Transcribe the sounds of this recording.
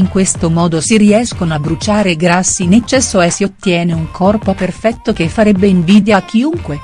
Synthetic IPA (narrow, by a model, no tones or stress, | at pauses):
iŋkwest̪omɔːd̪osiɾiɛskonoabːɾut͡ʃaːɾeɡɾasːinet͡ʃːɛsːoɛsiot̪ːjɛːneuŋkʰɔrpoperfɛt̪ːokefːaɾɛbːeiɱviːd̪jak̟ːiuŋkwe